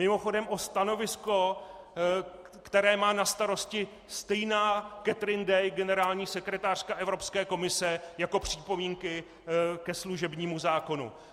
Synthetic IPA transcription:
ɪmo̞xo̞dɛmʔo̞st̪ano̞vɪsko̞ | kt̪ɛɾɛːmaːnast̪aɾo̞scɪ | st̪ɛjnaːkɛt̪ɾɪndɛjɡɛnɛɾaːlɲiːsɛkɾɛt̪aːr̝̥kaʔɛvɾo̞pskɛːko̞mɪsɛjako̞pr̝̥iːpo̞miːŋkɪ | kɛsluʒɛbɲiːmuzaːko̞nṵ

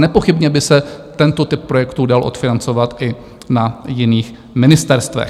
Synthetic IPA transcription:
nɛpo̞xɪbɲɛbɪsɛt̪ɛnt̪o̞t̪ɪp̚ːɾo̞jɛkt̪udalʔo̞̰t̪fɪnant͡so̞vat̪ʔɪ | najɪniːx | mɪnɪst̪ɛɾst̪vɛ̰x

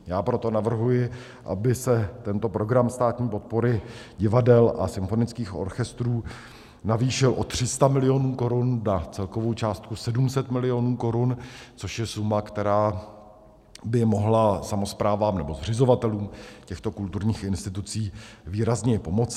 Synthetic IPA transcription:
jaːpɾo̞t̪o̞navr̩ɦujɪ | ʔa̰bɪsɛt̪ɛnt̪o̞pɾo̞ɡɾamst̪aːt̪ɲiːpo̞t̪̚po̞ɾɪɟɪvadɛlʔa̰sɪmfo̞nɪt͡skiːxʔo̞̰ɾxɛst̪ɾuː | naviːʃɪlʔo̞t̪r̝̥ɪst̪amɪlɪjo̞nuːko̞ɾunːat͡sɛlko̞vowt͡ʃaːst̪̚kusɛdumsɛt̪mɪlɪo̞nuːko̞ɾunt͡so̞ʃjɛsumakt̪ɛɾaː | bɪmo̞ɦlasamo̞spɾaːvaːmnɛbo̞zr̝ɪzo̞vat̪ɛluːmcɛxt̪o̞kult̪uɾɲiːxɪnst̪ɪt̪ut͡siːviːɾazɲɛpo̞mo̞t͡s

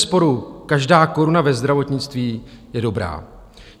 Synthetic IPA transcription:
spo̞ɾukaʒdaːko̞ɾunavɛzd̪ɾavo̞t̪ɲɪt͡st̪viː | jɛdo̞bɾa̰ː

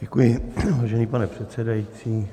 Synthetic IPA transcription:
ɟɛkujɪvaːʒɛniːpanɛpr̝̥ɛt̪sɛdajit͡siː

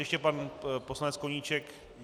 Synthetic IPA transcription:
jɛʃcɛpanposlanɛt͡sskoɲit͡ʃɛk

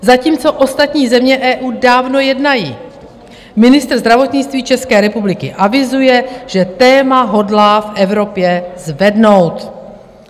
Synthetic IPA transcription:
zaciːmt͡so̞ʔo̞st̪at̪ɲiːzɛmɲɛʔɛːʔuːdaːvno̞jɛdnajiː | mɪnɪst̪rzd̪ɾavo̞t̪ɲɪt͡st̪viːt͡ʃɛskɛːɾɛpublɪkɪʔavɪzujɛʒ̥ɛt̪ɛːmaɦo̞dlaːfʔɛvɾo̞pjɛzvɛdno̞wt̪

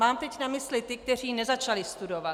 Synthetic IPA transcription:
maːmt̪ɛcnamɪslɪt̪ɪk̚t̪ɛr̝iːnɛzat͡ʃalɪst̪udo̞va

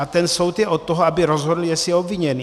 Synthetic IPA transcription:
at̪ɛnsowt̪jɛʔot̪t̪ːoɦoabɪɾozɦod̪l̩jɛsɪjɛobviɲɛni

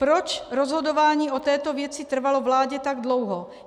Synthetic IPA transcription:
pɾɔt͡ʃɾɔzɦod̪ovaːɲiːʔot̪ɛːt̪ovjɛt͡sɪt̪r̩valovlaːɟɛt̪aɡd̪lowɦɔ

